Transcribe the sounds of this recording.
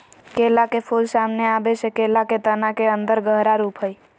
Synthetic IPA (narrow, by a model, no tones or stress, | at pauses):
kelakepʰulsamneabesekelaket̪ənakeənd̪əɾɡəɦɾaɾuːpɦəj